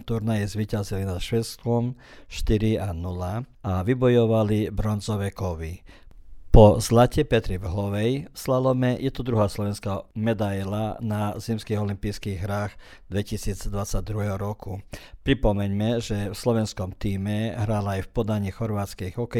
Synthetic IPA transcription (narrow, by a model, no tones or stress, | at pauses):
t̪uɾnajɛzʋiːcazilinat̪ʃʋɛst̪ʋɔm | ʃt̪iɾianulaaʋibɔjɔʋalibɾɔnzɔʋɛkɔʋi | pɔzlacɛpɛt̪ɾivɦɔʋɛjfslalɔmɛjɛt̪ɔd̪ɾuɦaːslɔʋɛnskamɛd̪ajlanazimskiɣɔlimpiːskiːɣɦɾaːɣ | d̪ʋɛcisiːd͡zd̪ʋat͡sːaɟ̚d̪ɾuɦɛɦɔɾɔkupɾipɔmɛɲmɛʒɛfslɔʋɛnskɔmt̪iːmɛɦɾaːlaːjfpɔd̪aɲixɔɾʋaːt̪skɛjɦɔkɛ